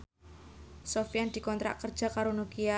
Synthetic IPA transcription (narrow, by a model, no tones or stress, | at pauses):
sofjand̪̥i̤kɔnt̪ɾa̰ʔkərd̥ʒ̥a̤kaɾonukia